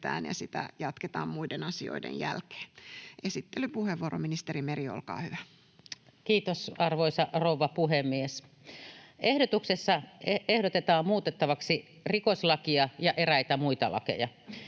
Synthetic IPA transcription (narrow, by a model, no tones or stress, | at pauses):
t̪æ̰ːnjɑ̰sit̪æ̰jɑt̪ket̪ɑːmmuidenɑsio̰idḛnjælke̥ːʔesit̪ːelypuheʋʋuoɾominist̪erimerio̰lkɑ̰ːhyʋæ | kiːt̪osɑrʋoisɑrouʋːɑpuhemːies | ehdot̪uksesːɑehdot̪et̪ɑːmmuːt̪et̪ːɑʋɑksi | rikosʲlɑkiɑjɑʔeræit̪æmuit̪ɑ̰lɑ̰kḛjɑ